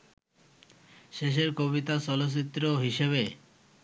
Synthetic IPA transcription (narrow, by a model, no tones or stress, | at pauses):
ʃeʃ̬eɾkoβit̪asɔlos̬it̪ːɾoɦiʃeβe